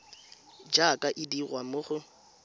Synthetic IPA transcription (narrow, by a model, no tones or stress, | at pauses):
d͡ʒakʼaʔɪdiɣwamʊχʊ